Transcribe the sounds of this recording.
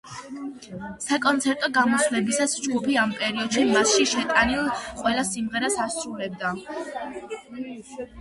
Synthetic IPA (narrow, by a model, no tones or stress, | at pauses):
sakʼɔnt̪sʰɛɾt̪ʼɔɡamɔslɛbisasd͡ʒɡupiampʼɛɾiɔd̪̥ʃimasʃiʃɛt̪ʼanilˠqʼwɛlˠasimʁɛɾasasʼɾuɾɛb̚d̪a